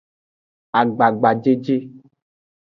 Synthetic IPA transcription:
a˨ɡ͡ba˨ɡ͡ba˨d͡ʒe˦d͡ʒe˦

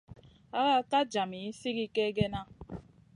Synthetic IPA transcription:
a˦ɣa˦ka˦d͡ʒa˨mi˨i˦si˦ɣi˦ke˦ɡe˦na˦

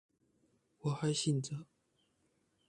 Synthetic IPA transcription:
wɔ˨˩xa˧˥ɪɕi˥˩nt͡sə˨˦

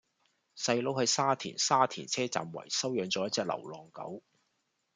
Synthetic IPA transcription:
sɐ˧jlo˨˧whɵ˧jsaː˥t̪ʰḭː˨˩nsaː˥t̪ʰiː˨˩nt͡sʰɛː˥t͡sa̰ː˨mwɐ̰˨˩jsɐ˥wjœː˨˧ŋt͡sɔː˨˦jɐ˥t̚t͡sɛː˧k̚lɐ̰˨˩wlɔː˨ŋkɐ̰˨˥w

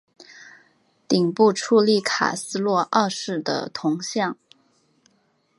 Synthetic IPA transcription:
t̪i˨˩ŋpu˥˧ʈ͡ʂʰu˥˧li˥˩kʰa̰˨˩sɹ̩˥lwɔ˥˧ʔa˥˧ʂɻ̩˥˩d̪ə̰˩t̪ʰʊ˧˥ŋɕjɑ˥˩ŋ

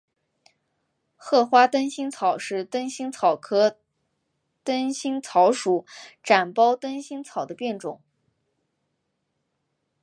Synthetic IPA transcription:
xɤ˥˩xwa˥t̪ə˥nɕi˥ŋt͡sʰɑ˨˩ʊʂɻ̩˥˧t̪ə˥nɕi˥ŋt͡sʰɑ˨˩ʊkʰɤ˥ | t̪ə˥nɕi˥ŋt͡sʰɑ˧˥ʊʂu˨˩ʈ͡ʂa˨˩npɑ˥ʊt̪ə˥nɕi˥ŋt͡sʰɑ˨˩ʊd̪ə˦pjɛ˥˩nʈ͡ʂʊ˨˩˦ŋ

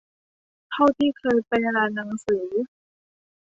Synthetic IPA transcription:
t̪ʰa˥˩wt̪ʰiː˥˩kʰɤː˧jpa˧jɾaː˧nːa˩˧˦ŋsɯː˩˦

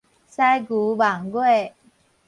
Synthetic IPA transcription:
sa˥jɡu˨˦ba˨˩ŋɡwe˥˩

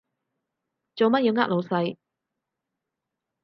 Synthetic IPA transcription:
t͡so˨wmɐ˥t̚ji˨˧wŋaː˥t̚lo˨˧wsɐ˧j

